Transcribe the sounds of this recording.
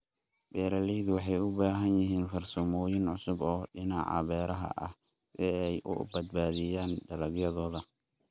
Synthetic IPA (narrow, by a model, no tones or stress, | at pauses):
bɛːɾɐlɛjðʊwɑħɑjʊbaːɦɐnjɪɦiːnfɐrsɔːmɔːjɪnʕʊsʊbɔːɖɪnɑ̰ːʕɑ̰βɛːɾɐɦɐ̰ʔɐ̰h | sɛɛjʔʊ̰bɐd̪̚baːðɪjaːnɖ̪ɐlɐɡjɐðɔːðɐ